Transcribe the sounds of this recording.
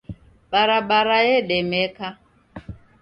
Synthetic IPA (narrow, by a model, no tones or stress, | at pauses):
ɓaɾaɓaɾaɛɗɛmɛka